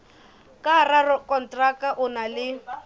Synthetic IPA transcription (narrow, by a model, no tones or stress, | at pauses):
kʼararɔkʼɔn̩tʼrakaʔʊnalɪ